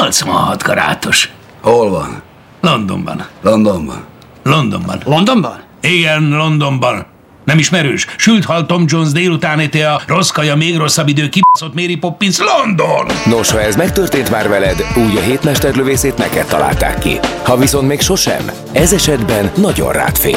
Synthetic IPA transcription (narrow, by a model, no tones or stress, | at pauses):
olt̪somɒ̰hɒd̪ɡɒ̰ɾa̰ːt̪oʃ | holvɒ̰n | lo̞nd̪o̰mbɒ̰nlond̪ombɒ̰n | lo̞nd̪o̞̰mbɒ̰nond̪ombn | iɡɛnlo̞nd̪o̞mbɒnː | ɛmiʃmɛɾøːʃʃylt̪hɒlt̪o̞md͡ʒo̞nzd̪eːlut̪aːnet̪eɒro̞skɒjɒmeːɡro̞sːɒbid̪øːkiboso̞t̪meːɾipo̞pːinslo̞nd̪onno̞ʃhɒɛzmɛk̚t̪ørt̪eːnt̪maːrvɛlɛd̪uːɟɒɦeːt̪mɛʃt̪ɛrløveːseːt̪nɛkɛt̪ːɒ̰la̰ːlt̪a̰ːkːḭhɒviso̞nt̪meːkʃo̞ʃɛ̰m | ɛzɛʃɛd̪bɛnːɒɟo̞̰nra̰ːt̪fḛː